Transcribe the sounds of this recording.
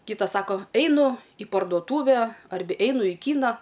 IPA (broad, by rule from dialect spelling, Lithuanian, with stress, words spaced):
ˈkʲiːtɐs ˈsɑːkoː ɛɪˈnʊ ɪ pɐrduɔˈtuːʋʲɛ ˈɐrʲbʲɛ ˈɛɪnʊ iː ˈkʲiːnɐ